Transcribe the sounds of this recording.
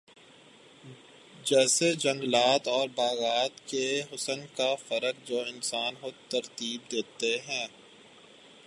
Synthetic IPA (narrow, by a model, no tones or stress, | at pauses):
d͡ʒɛːsed͡ʒɐ̃ŋɡlaːt̪ɔːɾbaːɣaːt̪keɦʊsənkafəɾək̚d͡ʒoːɪnsaːnɦot̪ɐɾt̪iːb̚d̪eːt̪eɦɛ̃ː